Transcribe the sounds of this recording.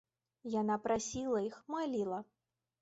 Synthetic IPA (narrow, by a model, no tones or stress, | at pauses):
janapɾasʲilˠɐixmalʲilˠɐ